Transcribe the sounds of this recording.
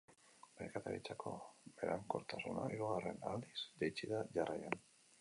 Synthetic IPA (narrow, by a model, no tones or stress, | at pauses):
bejkat̪aɾit͡sakʰo̞̰beɾaŋkoɾt̪asunaiɾuɣare̞nald̪iz̥d̪ejt͡ʃiðaʝarajan